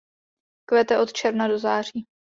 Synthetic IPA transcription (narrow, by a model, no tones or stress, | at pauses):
kvɛt̪ɛʔo̞t̪t͡ʃɛɾnado̞zaːr̝iː